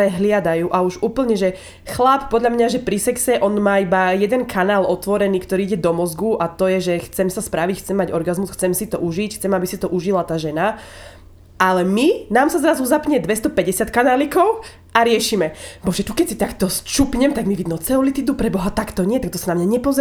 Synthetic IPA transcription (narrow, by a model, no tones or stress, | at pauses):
ɛɦlɪad̪ajuːʔauʒuːpl̩ɲɛʒɛ | xlappɔd̪ʎamɲaʒɛpɾisɛksɛʔɔnmaːibajɛd̪ɛnkʰanaːlɔt̪ʋɔɾɛniːkt̪ɔɾiːiɟɛd̪ɔmɔzɡuʔat̪ɔjɛʒɛxt͡sɛmsaspɾaʋicxt͡sɛmːaɟɔɾɡazmusxt͡sɛmsit̪ɔʔuʒicxt͡sɛmabisit̪ɔʔuʒilat̪aːʒɛna | alɛminaːmsazɾazuzapɲɛd̪ʋɛst̪ɔpɛɟɛsɪat̪kanaːlikɔʊ | aɾɪɛʃimɛbɔʒɛt̪ukɛcsit̪akt̪ɔst͡ʃupɲɛmt̪aɡmiʋid̪nɔt͡sɛɔlit̪id̪upɾɛbɔɦat̪akt̪ɔɲɪɛt̪ak̚t̪ɔsanamɲaɲɛpɔzɛ